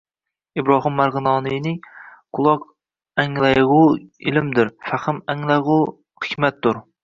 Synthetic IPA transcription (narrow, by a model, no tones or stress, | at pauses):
ibɾɑɦɨmːæɾʁɨnɑːnɨjnɪŋqʰʊlˠɑq | ɛŋlˠæjʁʊilɪmd̪ɪɾfæχɨmɛŋlˠæjʁʊ | χɨ̥kʲmɛt̪̚d̪uɾ